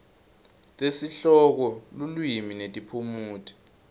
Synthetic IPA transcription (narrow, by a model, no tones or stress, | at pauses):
tʼesiɬɔk̬ɔlulwjiminetʼipʰumuːtʰi̥